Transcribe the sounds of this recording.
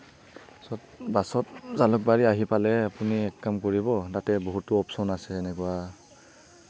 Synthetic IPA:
sɔt̚basɔtzalʊk̚baɹiaɦipalɛapuniɛkːamkoɹibɔtatɛboɦutːʊɔpsɔnasɛːnɛkuwa

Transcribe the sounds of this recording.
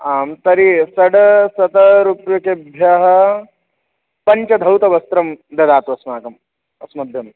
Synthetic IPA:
aːmt̪ɐɾisɐɽɐsɐt̪ɐɾupjukebʱjɐɦɐ | pɐɲt͡ʃɐd̪ʱɐwt̪ɐʋɐst̪ɾɐmd̪ɐd̪aːt̪ʋɐsmaːkɐm | ɐsmɐd̪ʱjɐm

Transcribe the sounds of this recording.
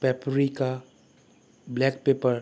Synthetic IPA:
pɛpɾika | blɛk̚pepəɾ

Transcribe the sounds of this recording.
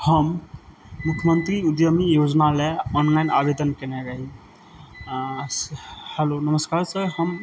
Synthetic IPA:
həmː | ukʰjəmənt̪ɾiud̪jəmijod͡ʒnaleɔnlainabed̪ənkɛnɛɾəɦi | hɛlonəməskaɾsəhəm

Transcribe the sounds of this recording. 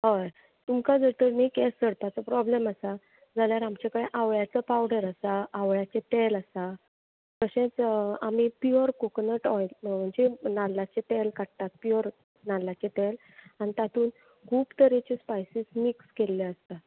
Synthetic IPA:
ɦəj | t̪umkad͡zəɾt̪əɾmikesəɽt̪at͡səpɾɔbleməsa | d͡zʱaljaɾamt͡ɕakəɽeʔaʋɭjat͡səpawɽəɾəsaaʋɭjat͡ɕet̪eləsa | kəɕẽt͡sam̤ipiəɾkuknəʈɔjlm̤əɳd͡ʑenalːat͡ɕeʈelkaʈ̚t̪at̪̚pjiəɾ | nalːat͡ɕeʈel | anit̪at̪ʰuːn | kʰuːbt̪əɾet͡ɕespajsismikskelːeəst̪a

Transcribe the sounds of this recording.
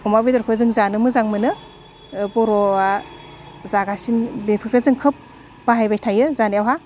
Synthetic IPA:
ɔmabedɔɾkʰɯzɯŋzanɯmɯzaŋmɯnɯ | bɔɾɔa | zaɡasinbepʰɯk̚ɾazɯŋkʰɯp̚ | b̥aɦajbajtʰajɯzanawɦa

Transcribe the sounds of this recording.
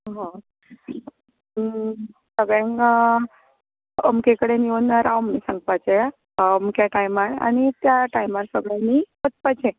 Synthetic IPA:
ɦã | səɡɭẽŋ | əmkekəɽenionaɾaumnisəŋɡpat͡ʃʰe | əmkjaʈajmaɾa̰nit̪jaʈajmaɾsəɡɭanipət̪pat͡ʃʰe

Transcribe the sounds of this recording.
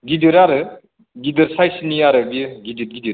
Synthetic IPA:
ɡidɯɾaɾɯ | ɡidɯɾsajsiniaɾɯbiɡid̪it̪̚ɡid̪ɯ

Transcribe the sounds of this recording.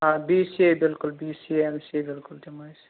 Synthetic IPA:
ɦãbisibɪlkʊlbisiemsibɪlkʊldimajs

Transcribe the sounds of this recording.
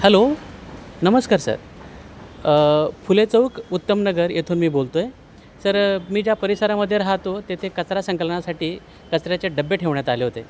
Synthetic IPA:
hɛlo | nəməskaɾsə̰ɾ | fulet͡səʋəkut̪ːəmnəɡəɾjʔet̪ʰuːnmiːbolt̪oje | səɾmiːd͡ʑjapəɾisəɾaməd̪ʱːjeɾaɦat̪ot̪et̪ʰekət͡sɾasəŋkələɳasaʈiː | kət͡sɾjat͡ɕeɖəbːeʈʰeʋɳjat̪aleɦot̪e

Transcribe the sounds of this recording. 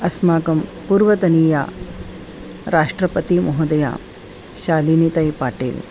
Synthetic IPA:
ɐsmaːkɐmpuːɾʋɐt̪ɐniːja̰ː | ɾaːʂʈɾɐpɐt̪imuɦɐd̪ɐja̰ː | ʃaːliːnit̪ɐjpaːʈḭːl

